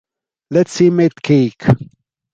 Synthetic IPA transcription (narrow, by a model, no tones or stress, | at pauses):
lɛtsimet̪kʰeːk